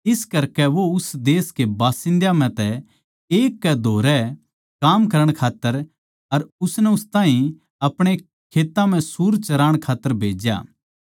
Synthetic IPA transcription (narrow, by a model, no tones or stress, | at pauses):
ɪskɐɾkɛʋoʊsd̪eːskebaːsɪ̃nd̪jam̤ɛ̃t̪ɛ | eːkːɛd̪ʱoːɾɛ | kaːmkɐɾəɽ̃kʰaːt̪ːəɾ | ɐɾʊsnɛʊst̪aːɦĩ | ɐpɽ̃e | kʰeːt̪ːãm̤ɛ̃suːɾt͡ʃɐɾaːɽ̃kʰaːt̪ːəɾbʱeːd͡ʒja̰ː